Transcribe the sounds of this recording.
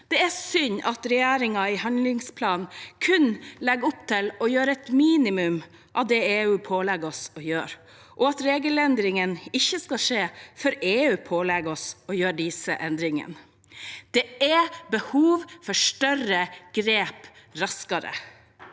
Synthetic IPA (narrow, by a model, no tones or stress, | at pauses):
d̪̥ɛæsʏɲɑt̪ɾɛjæːɾɪŋɑɪhɑnlɪŋspʰlɑːnnkʰʉnlɛɡʊpt̪ʰɪlɔjøːɾəɛt̪miːnɪmʉm | ʔɑʋd̪ɛeːʉːpʰoːlɛɡɔsɔjø̰ːɾ | ʔɔɑt̪ɾeːɡəlɛnd̪ɾɪŋənɪçːəskɑʂeːfɔɾeːʉːpʰoːlɛɡɔsɔjøːɖɪsəʔɛnd̪ɾɪŋə̰n | d̪̥ɛɛbəhuːʋfɔʂʈœɾəɡ̥ɾeːpɾɑskɑɾə̰